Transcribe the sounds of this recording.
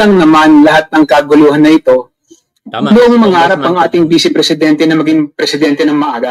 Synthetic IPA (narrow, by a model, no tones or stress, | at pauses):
ɐŋnɐmanlɐhat̪̚nɐŋkɐɡʊluːhɐnːɐʔɪt̪o̞ | nʊʔoŋmɐŋaːɾɐp̚ɐŋʔaːt̪ɪŋbiːsɪpɾɛsɪd̪ɛnt̪ɛnɐmɐɡiŋpɾɛsɪd̪ɛnt̪ɛnɐŋmɐʔaːɡɐ